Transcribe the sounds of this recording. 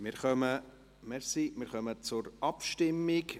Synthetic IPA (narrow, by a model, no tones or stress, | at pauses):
mɪɾχœmə | mɛɾsimɪɾχœmət͡sʊɾʔɑpʃtɪmːɪk